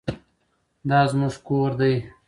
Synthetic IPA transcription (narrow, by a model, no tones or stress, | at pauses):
d̪ɑːzmuʐkoɾd̪aj